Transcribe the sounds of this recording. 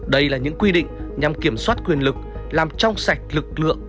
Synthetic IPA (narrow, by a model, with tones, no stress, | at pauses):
ɗə˧jlaː˨˩ɲɨ̰˧˥ŋkwi˧ɗḭ̈˧˨ŋ̟ɲa˨˩mki˧˩əmswaː˦˥t̚kwi˨˩ənlɨ˨˩k̚laː˨˩mt͡ɕɔ˧wŋ͡msa˨˩jk̟̚lɨ˨˩k̚lɨ̰˧˨əŋ